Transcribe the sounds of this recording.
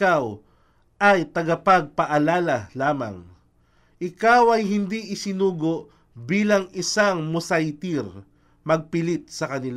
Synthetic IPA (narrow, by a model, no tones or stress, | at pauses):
aw | ʔɐjt̪ɐɡɐpɐɡ̚pɐʔɐlaːlalaːmɐ̰ŋ | ʔɪkawɐjɦɪnd̪iʔɪsɪnuːɡoʔ | biːlɐŋɪsaŋmʊsajt̪iɾ | mɐɡ̚pɪlit̪̚sɐkɐnɪl